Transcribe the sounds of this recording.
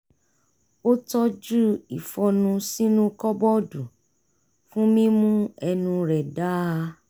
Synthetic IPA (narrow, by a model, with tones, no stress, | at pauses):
o˦tɔ˦d͡ʒu˦i˨fɔ˧nũ˧si˦nũ˦kɔ˦bɔ˦du˨ | fũ˦mĩ˦mũ˦ɛ˧nũ˧ɾɛ˨da˦˧